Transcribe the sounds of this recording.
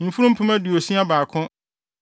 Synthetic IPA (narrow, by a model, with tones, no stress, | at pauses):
ñ̩˨fu˦ɾũ˦m̩˦pʰʊ̃˦mã˦di˨o˨sĩ˦a˦baː˨kʰʊ̃˦